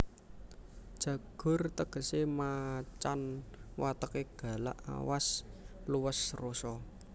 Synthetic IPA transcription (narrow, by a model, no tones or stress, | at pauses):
d̥ʒ̥ä̤ɡ̥ʊ̤rt̪əɡ̥ə̤semat͡ʃanwat̪əkeɡ̥ä̤la̰ʔa̰wasluwəsrosɔ